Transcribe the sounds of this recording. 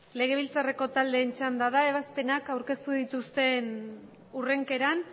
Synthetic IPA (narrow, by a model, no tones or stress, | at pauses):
le̞ɣ̞e̞β̞ilt͡sare̞ko̞t̪ald̪e̞ːnt͡ʃand̪aðae̞β̞aspe̞nakawɾke̞st̪uðit̪ust̪e̞n | ure̞ŋke̞ɾan